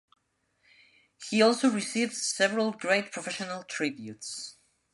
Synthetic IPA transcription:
hiɔlˠsoʊɹisivd̥sɛvəɹəlˠɡɹeɪt̚pʰɹ̥ɔfɛʃənəlˠtʰɹ̥ɪbjṵts

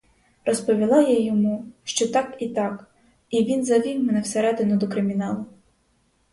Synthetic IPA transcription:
rɔspɔʋʲilˠɑjajɔmuʃt͡ʃɔt̪ɑkit̪ɑk | iʋʲinzɐʋʲiwmɛnɛwseɾɛd̪enʊd̪ɔkɾɪmʲinɑlˠʊ

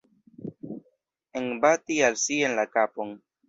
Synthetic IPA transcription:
enbatialsienlakapon

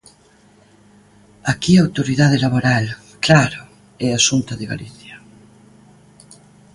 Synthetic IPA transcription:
akiaawt̪oɾiðaðelaβoɾal | klaɾo | ɛasunt̪aðeɣa̰liθja

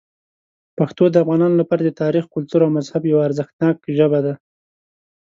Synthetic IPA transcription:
paxt̪od̪əafɣɑnɑnolapɑɾad̪ət̪ɑɾixkʊlt̪uɾawmazhabjawaːɾzəxt̪nɑkʒəbad̪a

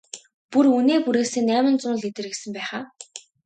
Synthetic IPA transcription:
puruneːpuɾeːseːnæːmə̆nt͡sʊnɮet̪ɘ̆rɣɘ̆sɘ̆mpæːχaː

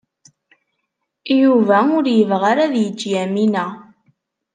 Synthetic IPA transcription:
juvæʊɾjəvʁaɾaðjəd͡ʒːjæminæ

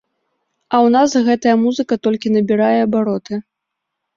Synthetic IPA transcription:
ɐwnasɣɛt̪ɐjɐmuzɨkɐt̪ɔlʲkʲinɐbʲiɾajɛɐbaɾɔt̪ɨ

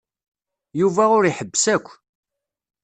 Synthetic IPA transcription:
juvæʊɾiħəbːsækʷː

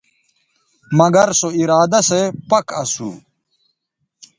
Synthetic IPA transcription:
mɐɡɐɾsoiɾaːd̪ɐsepɐkɐsṵ

